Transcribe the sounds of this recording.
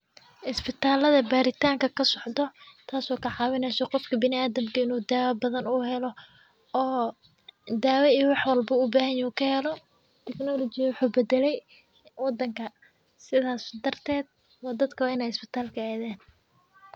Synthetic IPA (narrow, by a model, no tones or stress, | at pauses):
ʔɪsbɪt̪ʰaːlɐðɐbaːɾɪt̪ʰaːŋkʰɐkʰɐsɔʕd̪ɔt̪ʰaːsɔːkʰɐʕɑːwɪnɛːsɛqɔfkʰɐbɪnɪaːðɐmkʰɐɪnuːd̪aːwɐbɐðɐnʊɦɛlɔ | ɔː | d̪aːwɐijwɑħwɑlbɐʊbaːɦɐjuːkʰɐhɛlɔ | t̪ʰɛknɔlɔt͡ʃɪjɐwʊħuːbɛd̪ɛlɛj | wɑd̪ːɐŋkʰɐ | sɪðaːsd̪ɐrt̪ʰɛːd̪̚ | wɑːd̪ɐd̪kʰɐwaːɪnɛːjɪsbɪt̪ʰaːlkʰɐaːðɛːn